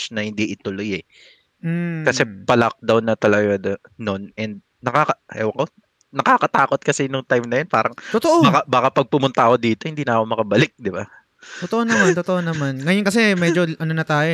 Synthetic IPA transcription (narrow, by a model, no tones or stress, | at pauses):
nɐhɪnd̪iʔɪt̪ʊlojɛ | kɐsɛpɐlɐk̚d̪ɐwnɐt̪ɐlɐɡad̪ɐ | no̞nɛnd̪̚ | nɐkaːkɐɛwɐŋko | nɐkaːkɐt̪aːkot̪̚kɐsɛnʊŋt̪ajmnɐjonpaːɾɐŋt̪ot̪oʔobakabaːkapɐɡ̚pʊmʊnt̪ɐko̞d̪iːt̪o̞hɪnd̪iːnɐɐkomɐkɐbɐlɪk̚d̪ɪba | t̪ot̪oʔonɐmant̪ot̪oʔonɐmanŋɐjonkɐsɛmɛd͡ʒoʔɐnonɐt̪aːjo